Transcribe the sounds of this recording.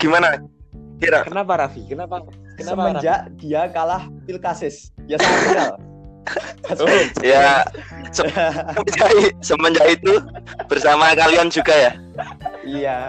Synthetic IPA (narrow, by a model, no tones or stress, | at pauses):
ɡ̥imanakiɾakənapaɾafikənapa | kəaəməd͡ʒaʔd̥iakalaht̪ɪlkasɪs | d̥iasaal | ja | səəməd͡ʒaisəməɲd͡ʒait̪ub̥ərsamakaliant͡ʃuɡaja | ija